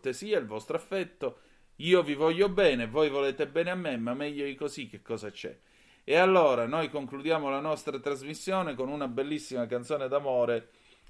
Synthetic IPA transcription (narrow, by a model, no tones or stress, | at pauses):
t̪esiːailvɔst̪ɾoafːɛt̪ːo | iːovivɔʎːobɛːnevojvoleːt̪ebɛːneamːemːamːɛʎːod̪ikozik̟ːekːɔːzat͡ʃɛ̰ | ealːoːɾanojkoŋklud̪jaːmolanɔst̪ɾat̪ɾazmisːjoːnekonunabelːisːimakant̪soːned̪amoːɾe